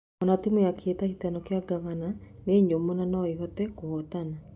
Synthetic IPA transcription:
ɔnatimujakʰetahitanɔkjaɡaβananeːɲomunanɔeɦɔtɛkoɔtana

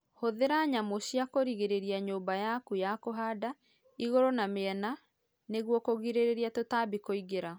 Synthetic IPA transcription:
hoðeɾaɲamoɕjakoɾiɣeɾeɾiaɲoːbajakujakoɦada | iɣoɾonameɛna | neɣwɔkoɣiɾeɾeɾiatotaːbikoiɣeɾa

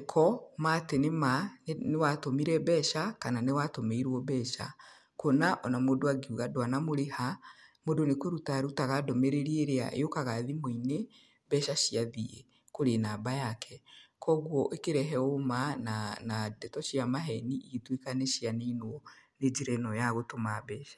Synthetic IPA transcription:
kʰɔmatenemanewatomiɾɛbɛʃakananewatomeiɾwɔbɛʃa̰ | konaʔɔnamodoaɡiuɣadwanamoɾehamodonekoɾutaɾutaɣadɔmeɾeɾieɾea̰ʔḛjokaɣaðimoine | bɛʃaʃiaðiḛ | koɾenaːbajakʰɛkɔɣwɔʔekeɾɛɦɛomananadɛtɔʃiamaɦɛniʔitwekaneʃianeinwɔned͡ʒiɾɛnɔjaɣotomaβɛːʃḁ

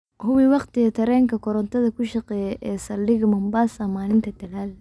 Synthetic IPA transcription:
hʊwiwɑqt̪ɪɣɐt̪ʰɐɾɛːŋkʰɐkʰɔɾɔnt̪ʰɐðɐkʰʊʃɑqɛːjɛʔɛːsɐlːɪɣɐmɐmbaːsaːmaːnɪnt̪ʰɐd̪ɐɣaːl

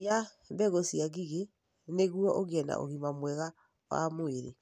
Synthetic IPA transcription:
ja | mbɛɣosiaɣiɣe | neɣuɔʔoɣiɛna̰ʔo̰ɣimamwɛɣa | wa̰moeɾḛ

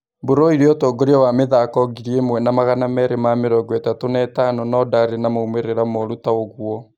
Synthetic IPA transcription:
boɾɔiɾeɔtoːɡoɾeɔwameðakɔɣiɾiemwɛnamaɣanamɛɾemameɾɔɡwɛtatonɛtanɔnɔdaɾenamoumeɾeɾamoɾutaoɣwɔ

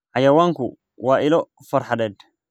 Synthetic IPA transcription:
ʕajɐwaːŋkʊ̰ | waːɪlɔ | fɐrħad̪ɛd̪

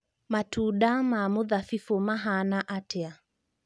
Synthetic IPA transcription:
matuːɗamamuðafifɔmaɦanaʔatɛa

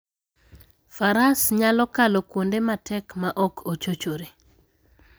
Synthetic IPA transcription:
faɾasɲalɔkalokwondematɛkmaʔɔkʰot͡ʃot͡ʃoɾe

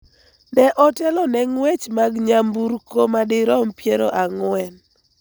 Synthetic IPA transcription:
nɛʔɔtɛlɔnɛŋwet͡ʃmaɡɲambuɾkomadɪɾɔmpjeɾo̰ʔaŋwɛn

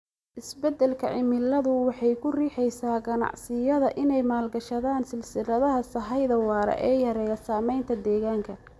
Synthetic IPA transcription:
ʔɪsbɛd̪ɛlkʰɐ̰ʕɪmɪlːɐðʊwɑħɑjkʰʊriːħɛjsaːɡɐnɑ̰ʕsɪjɐðɐʔɪnɛjmaːlɡɐʃɐðaːnsɪlsɪlɐðɐɦɐsɐɦɑjðɐwɑːɾɐ̰ʔɛːjɐɾɛjɐsaːmɛjnt̪ʰɐd̪ɛːɣaːŋkʰɐ

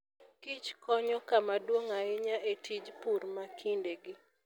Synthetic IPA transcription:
kit͡ʃkɔɲɔkamadwoŋaɪɲaʔetʰid͡ʒpuɾmakʰindeɡɪ

